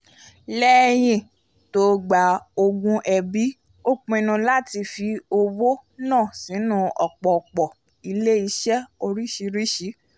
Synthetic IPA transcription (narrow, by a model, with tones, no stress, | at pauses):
lɛː˦j̃ĩ˦˨ | to˧˦ɡ͡ba˨o˧ɡũ˧ʔɛ˧bi˨˦ | o˦k͡pũ˧e˧nũ˧la˦ti˧fi˧o˧wo˦nãː˦˨sĩ˨˦nũ˧ʔɔ˨k͡pɔ˨k͡pɔ˨ | i˧le˦i˧ʃɛ˦o˧ɾi˦ʃi˧ɾi˦ʃi˨˦